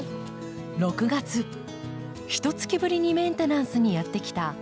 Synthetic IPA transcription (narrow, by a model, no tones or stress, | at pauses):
ɾo̞kɯ̟ɡat͡sɨ | çi̥t̪o̞t͡sɨ̥kʲibɯ̟ɾʲiɲ̟imẽ̞nt̪e̞nãɰ̃sɨɲ̟ijat̪ːe̞kʲi̥t̪a